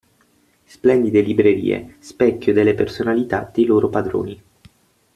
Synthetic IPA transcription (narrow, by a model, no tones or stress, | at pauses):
splɛnd̪id̪elibɾeɾḭːḛspɛkʲːjod̪elːepersonalit̪ad̪̥ejloːɾopad̪ɾo̰ːni